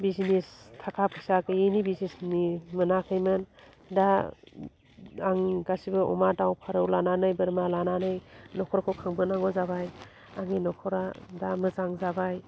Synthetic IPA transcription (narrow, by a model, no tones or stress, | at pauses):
bizinistʰakʰap̚ʰɯsakʰɯjinibiznesnimɯnakʰɯjmɯn | da | aŋɡasibɯʔɔ̰madawpʰaɾɯwlananɯjbɯɾmalananɯjnɔkʰɔɾkʰɯwkʰaŋbɯnaŋɡɔzabaj | aŋinɔkʰɔɾadamɯzaŋzabaj